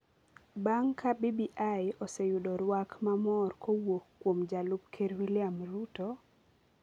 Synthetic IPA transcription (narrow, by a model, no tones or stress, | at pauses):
baŋkʰabibiʔajɔsejudɔɾwakmamɔrkʰowokːwomd͡ʒalub̚kʰeɾwilɪamɾuto